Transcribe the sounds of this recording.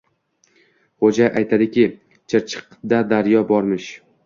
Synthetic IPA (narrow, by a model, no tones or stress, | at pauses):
χod͡ʒajʔajt̪ʰad̪ɪkʲʰɪ | t͡ʃʰɪɾt͡ʃʰɨ̥qd̪ad̪aɾjɒbɒɾmɪʃ